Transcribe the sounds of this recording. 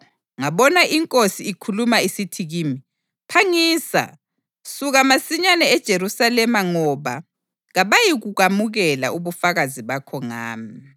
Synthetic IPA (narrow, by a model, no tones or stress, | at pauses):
ŋaβɔnaʔiŋkʼosiːkʰulumaisitʰiɣiːmi | pʰaŋiːsa̰ | suɣamasiɲanɛɛd̥ʒ̥ʱeɾusalɛmaŋɔβa | ɣaβajiɣuɣamuɣɛla̰uβufaɣaziβakʰɔŋaːmi